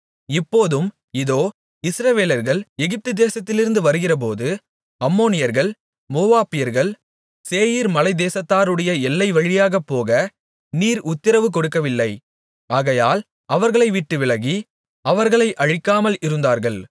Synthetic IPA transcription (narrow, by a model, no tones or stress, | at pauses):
ɪpːoːðɯm | ɪðoː | ɪsɾɐʋeːlɐɾɣɐɭɛɣɪp̚t̪ɯd̪eːsɐt̪ːɪlɪɾɯnd̪ɯʋɐɾɯɣɪrɐp̬oːðɯ | ɐmːoːnɪjɐɾɣɐɭ | moːaːpɪjɐɾɣɐɭ | seːjiɾmɐlɐɪd̪eːsɐt̪ːaːɾɯɽɐjɐɛlːɐɪʋɐɻɪjaːɣɐpːoːɣɐ | niːɾʊt̪ːɪɾɐʋɯk̬ɔɽɯk̬ːɐʋɪlːɐɪ | aːɣɐjaːl | ɐʋɐɾɣɐɭɐɪʋɪʈːɯʋɪɭɐɣi | ɐʋɐɾɣɐɭɐɪʔɐɻɪkːaːmɐlɪɾɯnd̪aːɾɣɐɭ